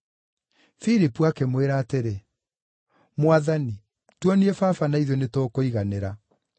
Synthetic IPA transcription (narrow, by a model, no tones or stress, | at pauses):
fiɾipuakemweɾaːteɾe | mwaðani | twɔniɛfafanaiðɔnetoːkoiɣaneɾa